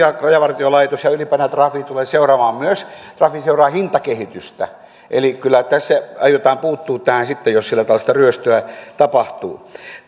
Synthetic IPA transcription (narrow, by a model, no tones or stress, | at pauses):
ɑrɑjɑʋɑrt̪iolɑit̪osjɑylipænæt̪rɑfiːt̪uleːseurɑmɑːmmyøst̪rɑfiseurɑːhint̪ɑkehit̪yst̪æ̰ | ʔḛlikylːˑæt̪æsːæɑjot̪ɑːmpuːt̪ːuːt̪ːæhænsit̪ːejossilːæt̪ɑʋɑlːɑst̪ɑryøst̪øæt̪ɑpɑht̪ṵː